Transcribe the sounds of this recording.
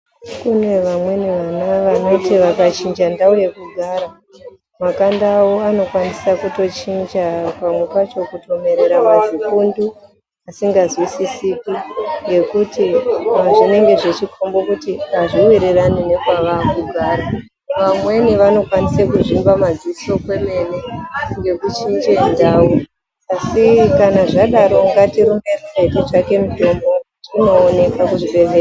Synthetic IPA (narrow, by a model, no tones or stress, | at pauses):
kune̞ʋamwe̞niʋanaʋano̞tiʋakat͡ʃind͡ʒandauje̞kuɡʱaːɾa | makandawoano̞kwanisakuto̞t͡ʃind͡ʒapamwe̞pat͡ʃo̞kuto̞me̞ɾe̞ɾamazikundu | asiŋɡazwisisikiŋɡe̞kutiaoʐine̞ŋɡe̞ʐet͡ʃikʰombo̞kutiaʐiwiɾeranine̞kwaʋakuɡʱaːɾa | ʋamwe̞niʋano̞kwanisekuʐimbamad͡ziso̞kwe̞me̞ne̞ŋɡe̞kut͡ʃind͡ʒendaːwu | asikanaʐaɗaɾo̞ŋɡatiɾure̞red͡zeteʐake̞muto̞mbo̞ | tino̞ːne̞kakuʐiɓe̞zea